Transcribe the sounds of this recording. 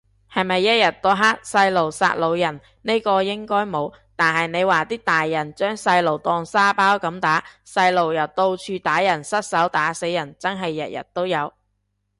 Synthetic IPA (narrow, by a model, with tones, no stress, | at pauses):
hɐ˨jmɐ˨jːɐ˥t̚jɐ˨˩t̚t̪ɔː˧ɦaː˥t̚sɐ˧jlo˨˩wsa̰ː˧t̚lo˨˧wjɐ˨˩n | ne˥jkɔː˧jɪ˥ŋkɔː˥jmo˨˧w | t̪aː˨nɦɐ˨jne˨˧jwaː˨t̪iː˥t̪aː˨jːɐ˨˩nt͡ʃœː˥ŋsɐ˧jlo˨˩wt̪ɔː˧ŋsaː˥paː˥wkɐ˨˧˥mt̪aː˨˥sɐ˧jlo˨˩wjɐ˨˩wt̪o˧wt͡ʃʰyː˧t̪aː˨˥jɐ˨˩nsɐ˥t̚sɐ˨˥wt̪aː˨˥se˨˥jɐ˨˩nt͡sɐ˥ŋɦɐ˨jːɐ̰˨t̚jɐ̰˨˩t̚t̪o˥wjɐ˨˧w